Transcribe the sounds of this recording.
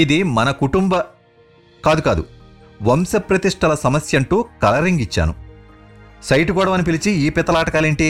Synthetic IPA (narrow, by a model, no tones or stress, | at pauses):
id̪imɐnɐkuʈumbɐ | kaːd̪ukaːd̪ṵ | ʋɐmsɐpɾɐt̪iʂʈʰɐlɐsɐmɐsjɐɳʈuːkɐlɐɾiŋɡit͡ʃːa̰ːnṵ | sɐjʈukuːɽɐʋmɐnip̬ilit͡ʃiiːpɛt̪ːɐlaːʈɐkaːleːɳʈi